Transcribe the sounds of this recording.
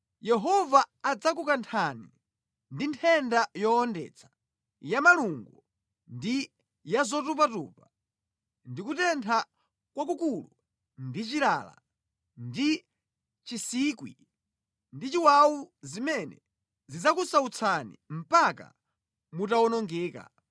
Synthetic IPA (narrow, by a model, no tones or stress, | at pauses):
jɛɦɔvaːd͡zak̬ukantʰanḭ | ndintʰɛndajɔːndɛ̰t͡sʰḁ | jamaluŋɡu | ndi | jazɔtup̬atṵːpa | ndikutɛntʰa | kwak̬ukulu | ndit͡ʃiɾa̰la̰ | ndi | t͡ʃisiːkwḭ | ndit͡ʃiwawuzimɛnɛ̰ | zid͡zakusaut͡sʰanḭm̩paka̰ | mutawɔnɔŋɡɛːka̰